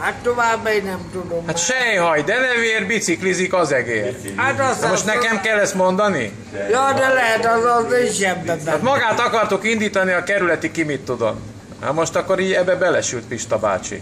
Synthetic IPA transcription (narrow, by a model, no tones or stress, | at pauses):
hat̪t̪ːoʋaːbmɛɡnɛmt̪ud̪omat̪ʃɛjɦɒjd̪ɛnɛveːrbit̪siklizikɒzɛɡeːɾ | at̪smoʃt̪nɛkɛmkɛlːɛst̪mo̞nd̪ɒni | jɒːd̪ɛlɛɦɛt̪ɛzɔzeʃɛmb̪ɛat̪mɒɡaːt̪ɒkɒrt̪ukind̪iːt̪ɒniɒkɛɾylɛt̪ikimit̪ːud̪o̰n | ha̰mo̞ʃt̪ɒkːoɾiːɟɛbːɛbɛlɛʃylt̪̚piʃt̪ɒba̰ːt͡ʃḭ